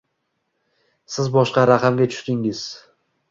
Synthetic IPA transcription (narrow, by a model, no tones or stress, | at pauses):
sɪzbɒʃqɑɾaqʰɑmɡʲat͡ʃʰʊ̥ʃt̪ɪŋɪz̥